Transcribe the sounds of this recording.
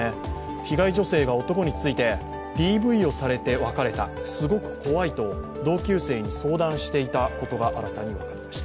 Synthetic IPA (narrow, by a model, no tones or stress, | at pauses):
e | çiɡaiʑo̞se̞ːɡao̞t̪o̞ko̞ɲ̟it͡sɨit̪e̞ | d̪̥ʲiːbɯ̟io̞saɾe̞t̪e̞βakaɾe̞t̪asɨɡo̞kɯ̟̥ko̞βait̪o̞ | d̪o̞ːkʲɨːse̞ːɲ̟iso̞ːd̪ãɰ̃ɕi̥t̪e̞it̪ako̞t̪o̞ɡaʔaɾat̪aɲ̟iβakaɾʲimaɕi̥t̪aa